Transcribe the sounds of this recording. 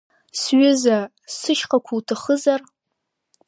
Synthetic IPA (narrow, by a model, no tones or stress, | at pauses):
sɥʊza | sɨʃqʼakʷʰuːtʰɨχəzar